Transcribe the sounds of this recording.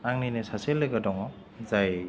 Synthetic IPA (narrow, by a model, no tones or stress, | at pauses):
aŋninesaselːɯɡadɔŋɔ | zaj